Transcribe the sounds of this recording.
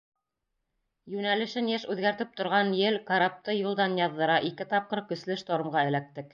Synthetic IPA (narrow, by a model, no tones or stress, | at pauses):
jʉnælɘ̆ʃɘnjæʃʉðɡæɾt̪ɘp̚t̪ŏɾʁɑnjɘlkaɾap̚t̪ɤjulˠd̪ɑnjɑðːɤ̆ɾɑʔikɘt̪ɑp̚qɤɾkɵ̆slɘʃt̪oɾɤ̆mʁɑɘ̆læk̚t̪ɘk